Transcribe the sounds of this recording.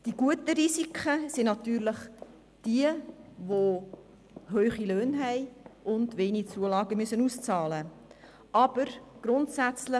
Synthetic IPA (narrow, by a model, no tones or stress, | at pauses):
d̥iɡ̥uətəɾisikʰχəsinnɑt̪yːɾləχ | d̥iəʋo | ɦøːχiløːnɦɛɪʔʊndʋeːnit͡suəlɑːɡəmʏsənust͡sɑːlə | ʔɑb̥əɾɡ̥ɾʊntsæt͡slə